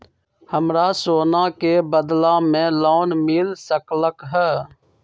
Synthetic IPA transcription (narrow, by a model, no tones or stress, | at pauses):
həmɾasoːnakebəd̪lãmẽlaːnmɪlsəkləkɦɛː